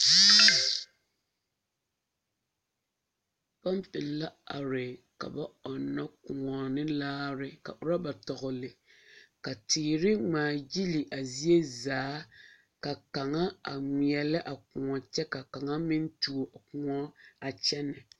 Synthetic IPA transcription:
pa˦mpɪ˨lla˦a̰˨ɾɪ˨ | ka̰˨ba˦ɔ˨nːa˦kʊ˨ŋɔ˨nɪ˦laː˦ɾɪ˨ka̰˨ʔʊ˨ɾa˦ba˨tɔ˨ɣʊ˨lɪ˨ | ka˨tɪː˨ɾɪ˦ŋ͡maː˨ji˦li˨ʔa˨zi˦e˦zaː˨˦ | ka˨ka˨ŋa˦a˨ŋi˨ɛ˨lɪ˦ʔa˨kʊ˨ŋɔ˨t͡ʃɛ˦ka˨ka˨ŋa˦mɪ˦n˦tu˨o˨ʔa˨kʊ˨ŋɔ˦a˨t͡ʃɛ˦nɪ˨

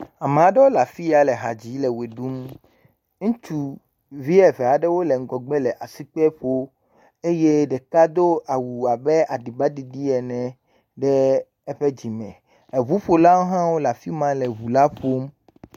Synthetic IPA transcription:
a˨me˨a˨ɖɛ˦wo˦la˨fi˦a˨lɛ˨ɦa̰˨d͡ʑi˨˦lɛ˨we˨ɖu˦m | ŋũ˦t͡ʃu˨ | vi˦ɛ˨vɛ˨a˨ɖɛ˦wo˦lɛ˨ŋ̩˦ɡɔ˨ɡ͡bɛ˦lɛ˨ʔa˨si˦k͡pɛ˦ɸo˦ | e˦je˦ɖɛ˨ka˦d̪o˦ʔa˨wu˨a˨bɛ˦ʔa˨ɖi˨ba˦di˨ɖi˦ɛ˨nɛ̃˨ | ɖɛ˦ | ɛ˦ɸɛ˦d͡ʑi˨mɛ̰̃˨ | ɛ˨βu˦ɸo˨la˦wo˦ɦã˦wo˦la˨fi˦mã˦lɛ˨βu˨la˦ɸo˦m

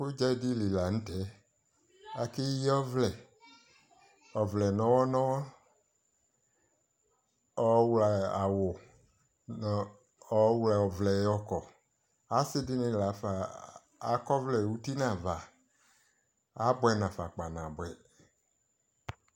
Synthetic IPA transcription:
ko˦d͡ʒɛ˦di˦li˨la˨ŋ̩̃˦tɛ˨˦ | a˨ke˦ji˦ɔ˦vlɛ˨ | ɔ˨vlɛ˨nɔ̃˨wɔ˦nɔ̃˦wɔ˦ | ɔ˦wlɛ˨a˨wo˨ | ɔ˦wlɛ˨ɔ˨vlɛ˨˦ɔ˦kɔ˨ | a˦sɪ˦dɪ˦nɪ̃˨la˨˦fa˨ | a˨kɔ˦vlɛ˨wu˦t̪i˦nã˨va˨ | a˨˦bwɛ˨nã˨fa˨k͡pa˨nã˨bʷɛ˨

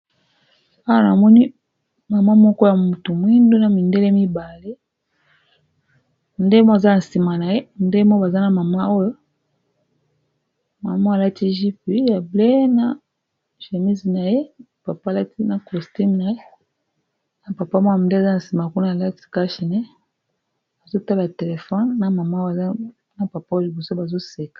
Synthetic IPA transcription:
a˦wa˦˨na̰˨mɔ˦ni˦ | ma˨ma˦mɔ˦kɔ˦ja˨mu˨tu˨mwi˦ndo˦na˨mi˨nde˦le˦mi˦ba˨le˦ | n˨de˦mo˦a˨za˦˨n̩˨si˨ma˨na˨je˦nde˦mɔ˦ba˨za˦na˨ma˨ma˦o˦jo˦ | ma˨ma˦˨la˦ti˦ʒi˦pi˨ja˨ble˦na˨ | ʒe˨mi˦zi˨na˨je˦˨ | pa˨pa˦˨la˦ti˦na˨kɔ˨sti˦mna˨je˦ | na˨pa˨pa˦mɔ˦a˨de˦a˨za˦na˨n˨si˨m˨a˨ku˦na˦a˨la˦ti̥˦ka˦ʃi˨ne˦ | a˨zo˦ta˦la˨te˨le˨fɔ˦nna˨ma˨ma˦a˨za˦ | na˨pa˨pa˦o˦jo˨bɔ˨so˦ba˨zo˦se˨kḁ˨

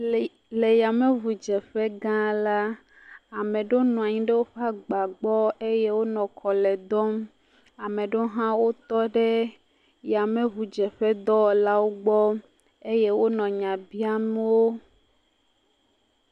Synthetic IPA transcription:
le˨ja˨mẽ˦vu˨d͡ʒɛ˨ɸɛ˦ɡã˦la˦ | a˨mẽ˨ɖo˦nɔ̃˨a˨ɲĩ˦ɖe˦wo˦ɸa˦ɡ͡ba˨ɡ͡bɔ˦e˦je˦wo˦nɔ̃˨kʰɔ˨lɛ˨d̪ɔ˦m | a˨mẽ˨ɖo˦ɦã˦wo˦t̪ɔ˦ɖe˦ | ja˨mẽ˦vu˨d͡ʒɛ˨ɸɛ˦d̪ɔ˦˨la˦wo˦ɡ͡bɔ˦ | e˦je˦wo˦nɔ̃˨ɲã˨bi˦a˦me˦wo˦

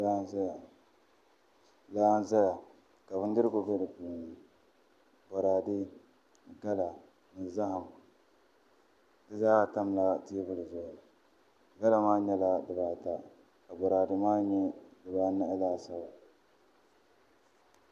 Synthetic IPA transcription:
laː˦n˦za˦ja˨ | ka˨bɨ˦n˦dɨ˦ɾɨ˦ɡʊ˨bɛ˦dɨ˨pu˨n˨ | bɔ˨ɾaː˨di˦ | ɡa˦la˨ | nɨ˨za˦ha˨m˨ | dɨ˨zaː˦˨ta˦m˨la˦ti˦e˦bɨ˦lɨ˨zʊ˨ | ɡa˦la˨maː˦ɲɛ˦la˦dɨ˨baː˨ta˨ | ka˨bɔ˨ɾaː˨dɨ˦maː˦ɲɛ˦dɨ˨baː˦na˦laː˦sa˦ba˨

